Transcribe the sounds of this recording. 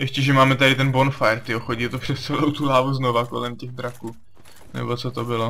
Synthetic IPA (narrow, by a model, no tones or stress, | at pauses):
jɛʃcɛʒɛmaːmɛt̪adɪt̪ɛnbo̞nfajɾt̪ɪoxoɟiːt̪opr̥ɛst͡sɛlowt̪ulaːvuznovako̞̰lɛmcɛɣd̪ɾakuː | nɛ̰bo̞t͡sot̪obɪlo